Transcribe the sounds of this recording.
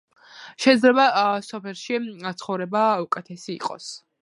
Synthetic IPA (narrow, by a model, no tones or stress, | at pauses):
ʃɛd̪zɾɛbasɔpʰɛlˠʃit̪sʰχɔvɾɛbaukʼɛt̪ʰɛsḭːqʼɔ̰s